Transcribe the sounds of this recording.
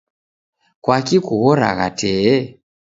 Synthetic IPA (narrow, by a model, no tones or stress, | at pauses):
kwakikuɣɔɾa̰ɣa̰tʰɛɛ